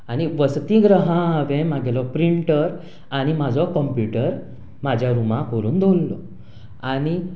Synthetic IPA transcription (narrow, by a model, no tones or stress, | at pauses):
añiʋəst̪ĩɡɾəɦãʋɛ̃maɡɛlɔpɾiɳʈəɾ | añimad͡zʱɔkəmpjuʈəɾ | mad͡ʑʱjaɾumãkəɾuːnd̪ʱolːɔ̰ | añi